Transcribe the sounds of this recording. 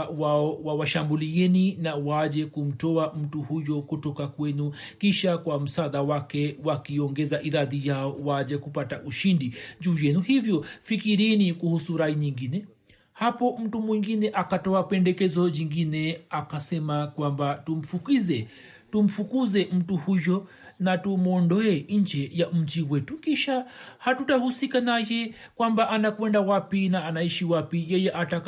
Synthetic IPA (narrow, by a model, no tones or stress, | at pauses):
waɔwawaʃambuliɛninawaʄɛkum̩tɔam̩tuhujɔkutɔkakwɛnu | kiʃakwam̩saɗawakɛwakiɔŋɡɛzaʔiɾaðijaɔwaʄɛkupataʔuʃindiʄuːjɛnuhivjɔfikiɾinikuhusuɾaiɲiŋɡinɛ | hapɔm̩tumwiŋɡinɛʔakatɔapɛndɛkɛzɔd͡ʒiŋɡinɛakasɛmakwambatum̩fukizɛ | tum̩fukuzɛm̩tuhujɔ | natumɔndɔɛɲd͡ʒɛjam̩d͡ʒiwɛtukiʃahatutahusikanajɛ | kwambaʔanakwɛndawapinaːnaiʃiwapijɛjɛʔatak